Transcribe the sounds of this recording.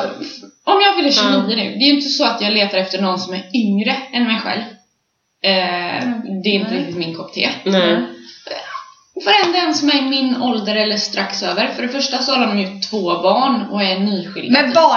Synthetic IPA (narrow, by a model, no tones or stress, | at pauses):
ʔɔmjɑːɡvɪlːəʃʉniːənʉ̟̰ːd̪ɛːjɵɪnt̪əsɔat̪jɑːɡleːt̪aɾɛft̪əɳɔnːsɔmæɾʏŋɾəɛnmɛjɧɛ̰lv | d̪ɛːɾɪnt̪əɾɪk̚t̪ɪt̪mɪnkʰɔkt̪ʰḛː | vaɾɛnd̪ɛnsɔmæɾmɪnɔld̪əɾɛlːəʂt̪ɾaksøːvəɾfœɖɛfœʂʈasɔhalːanɔmjʉ̟ːt̪ʰːv̥oːbɑːɳɔɛɳyːɧɪlɛd̪bɑː